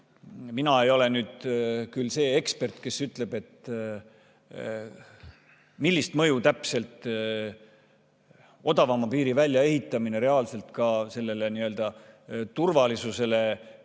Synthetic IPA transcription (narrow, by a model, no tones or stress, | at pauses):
minɑe̞jo̞le̞nyːd̪̥kylse̞ːekspe̞rt̪ke̞syt̪ˑle̞b̥e̞t̪ | milːist̪mɤjut̪æpse̞lt̪ˑ | o̞d̪ɑvɑmɑpiːɾivælʲjɑe̞ɦit̪ːˑɑmine̞ɾe̞ɑlse̞lt̪kɑse̞lːe̞leniø̞ld̪̥ɑt̪urvɑlisuse̞le̞